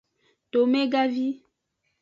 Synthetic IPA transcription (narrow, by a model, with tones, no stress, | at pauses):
t̪o˨mẽ˦ɡa˦vi˦